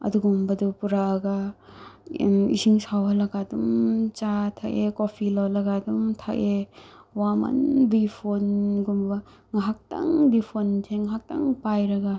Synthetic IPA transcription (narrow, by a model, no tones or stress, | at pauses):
ɐ̰duɡumbɐdupuɾaːɡa | ḭsiŋsawɦɐlɐɡadumt͡ʃatʰakekopʰilawlɐɡadumtʰaʔewama̰nbipʰonɡumbɐ | ŋaɦak̚ta̰ŋbipʰontʰeŋaɦak̚ta̰ŋpajɾɐɡa